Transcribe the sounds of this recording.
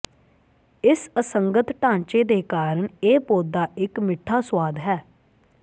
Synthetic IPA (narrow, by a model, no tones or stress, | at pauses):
ɪsəsəŋɡət̪ʈãːɲt͡ʃeːd̪eːkaːɾəɳeːpoːd̪aːʔɪkmɪʈʰːaːswaːd̪ɦɛː